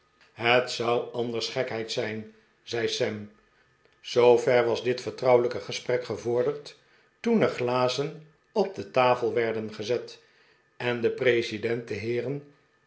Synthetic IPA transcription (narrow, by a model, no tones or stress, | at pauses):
ɦətsʌwɑndəɹsχɛkɦɛjtsɛjn | zɛjsɛm | z̥owvɛɹʋɑzdɪtfəɹtrʌwələkəχəsprɛkχəvʊɹdəɹt | tunəχlaːzən | ɔb̚dətaːfəlˠʋɛɹdənχəzɛt | ɛndəprejsidɛnt̚dəɦɪːrən